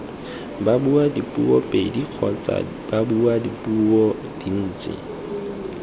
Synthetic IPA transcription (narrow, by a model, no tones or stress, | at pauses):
babuadipʼṵɔpʼediq͡χʰɔt͡sʼa̰ | babuadipʼuɔ | d̥in̩ːt͡sʼɪ̰